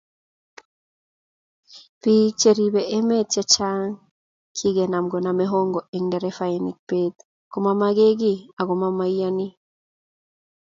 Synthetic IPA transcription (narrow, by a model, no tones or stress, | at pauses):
pit͡ʃeɾiβeʔemet̪at͡ʃaŋ | kʰiɡenamɡonameɦoŋɡɔeŋdɛɾefanik̚pet̪ | komamaɡeɡiaɣomamaiani